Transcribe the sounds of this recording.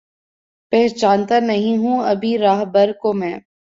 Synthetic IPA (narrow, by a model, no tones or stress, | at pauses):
pɛɦt͡ʃaːnt̪aɾnɐɦĩɦũɐbʱiɾaːɦbəɾkomɛ̃ː